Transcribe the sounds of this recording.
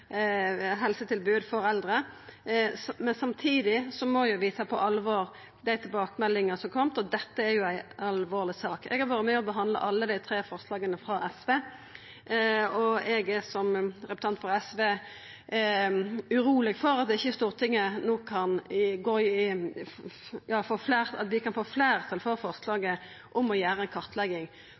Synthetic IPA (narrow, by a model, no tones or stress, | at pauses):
ɦɛlsət̪ʰɪlbʉːd̪fɔɾɛld̪ɾə | mɛnsɑmt̪ʰiːd̪ɪsɔmɔjʊʋiːt̪ʰɑpʰɔʔɑlːəʋoːɾ | d̪æɪt̪ʰɪlbɑːkəmɛlːɪŋəsɔmkʰɔmt̪ɔd̪ɛt̪ːəæɾjʊæɪɑlʋoːʁlɪsɑːkɛ̰ɡhɑɾʋɑːɾətmɛːɔbəɦɑnd̪lə̰ʔɑlːəd̪æɪt̪ʰɾeːfɔɾslɑːɡənəfɾɑʔɛsʋeː | ɔɛɡæɾsɔmɾɛpʉ̥t̪ɑnt̪fʁɑɛsʋeː | ʉɾuːlɪɡfɔɾɑt̪d̪ɛɪçːəɛst̪uːʁt̪ʰɪŋːənoːkʰːɑnɡoː | jɑːfoːflæːʁɑ̰t̪ʋɪkɑnfoːflæːɾʁt̪ʰɑlfɔːɾfɔʁslɑːɡə | ʔʊmɔjæːɾəɛnkʰɑʁt̪ʰlɛɡːɪŋ